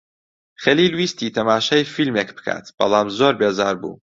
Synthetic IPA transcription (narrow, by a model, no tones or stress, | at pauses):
xɛliːlwiːst̪iːt̪ʰɐmaːʃɛjfilmeːkbɨ̥kʰa̰ːt̪b̥ɐ̰lˠɑːmzoːɾbeːzaːɾbṵː